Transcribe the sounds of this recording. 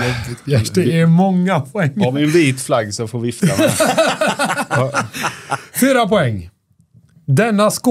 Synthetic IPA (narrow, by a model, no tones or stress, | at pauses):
ɛɛɾmɔŋːapʰʊɛŋːɔmɪnviːt̪flaɡːsɔfoːɾvɪft̪am | fyːɾapɔɛŋː | d̪ɛnːaskː